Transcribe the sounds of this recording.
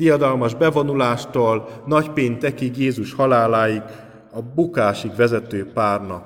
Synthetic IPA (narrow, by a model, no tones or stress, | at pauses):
ijɒd̪ɒlmɒʒbɛvo̞nulaːʃt̪oːlnɒcpeːɲt̪ɛkikjeːzuʃhɒlaːlaːjiɡ | ɒbukaːʃikʋɛzɛt̪øːpaːrnɒ